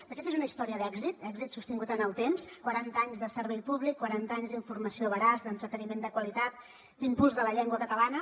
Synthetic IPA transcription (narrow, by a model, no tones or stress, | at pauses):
d̪̥əfet̪ezunəist̪ɔɾiəðɛɡzit̪ɛɡzit̪sust̪iŋɡut̪ənəlˠt̪emskwaɾant̪aɲzðəsəɾβɛjpuβlikːwaɾant̪əaɲzðiɱfurməsioβəɾazd̪ənt̪ɾət̪ənimend̪əkwəlit̪at̪̚ | d̪impulˠzðələʎɛŋɡwəkət̪əlanə